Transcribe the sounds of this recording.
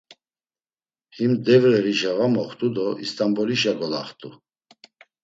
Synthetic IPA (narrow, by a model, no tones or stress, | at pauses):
himd̪ɛvɾɛɾiʒaɣamɔχt̪ʼud̪ɔḭst̪ʼambɔliʃaɡɔlaχt̪ʼu